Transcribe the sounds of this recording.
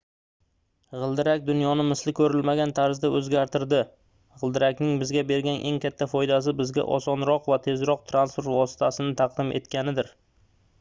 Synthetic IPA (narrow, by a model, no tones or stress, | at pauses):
ʁɨlˠd̪ɪɾakʲd̪ʊnjɒnɪmɪslɪkʲʰɵɾɪlmaɡʲant̪ʰaɾzd̪aʔɵzɡʲaɾt̪ʰɪɾd̪ɪ | ʁɨlˠd̪ɪɾakʲnɪŋbɪzɡʲabe̞ɾɡʲanʔe̞̰ŋkʲʰat̪ʰːafɒjd̪as̬ɪbɪzɡʲa̰ʔɒ̰sɒnɾɒqvat̪ʰe̞zɾɒq̚t̪ʰɾanspuɾt̪vɒsɪ̥t̪ʰasɪnɪt̪ʰɑqd̪ɪmʔe̞̰t̪kʲanɪd̪ɪɾ